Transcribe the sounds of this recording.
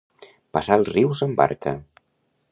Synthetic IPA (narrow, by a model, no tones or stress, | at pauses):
pasalˠzriwzəmba̰ɾkə̰